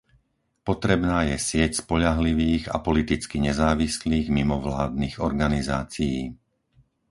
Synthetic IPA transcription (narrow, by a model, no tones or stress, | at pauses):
pɔt̪ɾɛbnaːjɛsɪɛcspɔʎaɦliʋiːɣa̰pɔlit̪it͡skiɲɛzaːʋisliːɣmimɔʋlaːd̪̚niːɣɔɾɡanizaːt͡sijiː